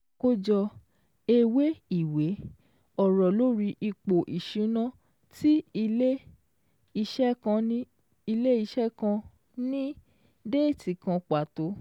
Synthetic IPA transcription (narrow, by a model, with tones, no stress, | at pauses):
ko˦˧d͡ʒɔ˧ | e˧we˦i˦˨we˨˦ | ɔ˦˨ɾɔ˨lo˦ɾi˧ʔi˧k͡po˨ʔi˨ʃĩ˨˦nã˦ | ti˦i˧le˦ | i˧ʃɛ˦kã˧˦ | i˧le˦i˧ʃɛ˦kã˧ | nĩ˦ | de˦˨ti˨kã˧k͡pa˨to˨˦